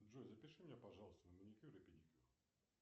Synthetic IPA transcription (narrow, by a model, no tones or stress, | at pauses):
ʐozəpʲɪʂɨmʲnʲepɐʐɑlˠəst̪ənəmʊnʲɪkʲiɾəpʲɪdʲikʲu